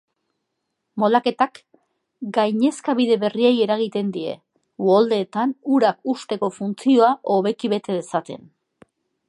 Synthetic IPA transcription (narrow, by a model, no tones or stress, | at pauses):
mo̞lake̞t̪ak | ɡajɲe̞skaβiðe̞βe̞rieje̞ɾaɣ̞it̪e̞nd̪ie̞̰ | old̪e̞ːt̪anuɾakust̪e̞ko̞funt͡sio̞aʔo̞β̞e̞kiβe̞t̪e̞ðe̞sat̪e̞̰n